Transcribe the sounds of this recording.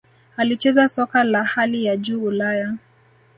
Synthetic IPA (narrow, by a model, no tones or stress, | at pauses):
alit͡ʃɛzasɔkalahalijad͡ʒuːulaja